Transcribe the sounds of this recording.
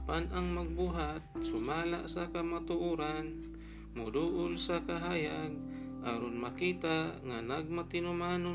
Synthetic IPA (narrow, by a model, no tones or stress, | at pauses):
apanʔaŋmaɡ̚buɦat̪̚sʊmaːlaʔsakamat̪ʊʔuːɾan | mʊd̪uʔʊlsakaɦajan | ʔaɾonmakiːt̪aŋanaɡ̚mat̪ɪnʊmaːno